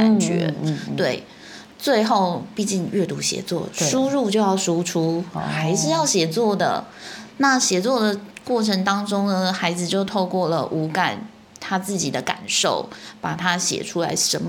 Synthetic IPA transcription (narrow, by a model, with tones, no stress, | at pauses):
ka˨nɥɛ̰˧˥t̪we˥˩ɪ | t͡swe˥˧ɪxo˥˧ʊpi˥˧t͡ɕi˥˧ŋɥɛ˥˩t̪u˧˥ɕjɛ̰˧˥˦t͡swɔ̰˥˩ʂu˥ɻu˥˧t͡ɕjo˥˧ʊjɑ˥˩ʊʂu˥ʈ͡ʂʰu˥xa˧˥ɪʂɻ̩˥˧jɑ˥˩ʊɕjɛ˨˩t͡swɔ˥˩d̪ə̰˩na˥˩ɕjɛ˧˥t͡swɔ˥˩d̪ə˩kwɔ˥˩ʈ͡ʂʰə˧˥ŋt̪ɑ˥ŋʈ͡ʂʊ˥ŋnə˨xa˧˥ɪd͡zɹ̩˧t͡ɕjo˥˧ʊt̪ʰo˥˧ʊkwɔ˥˩lə˩ʔu˧˥ka˨˩n | t̪ʰa˥t͡sɹ̩˥˩t͡ɕi˨˩d̪ə˦ka̰˨˩nʂo̰˥˩ʊpa˨˩t̪ʰa˥ɕjɛ̰˨˩ʈ͡ʂʰu˥la̰˧˥ɪʂə˧˥n˧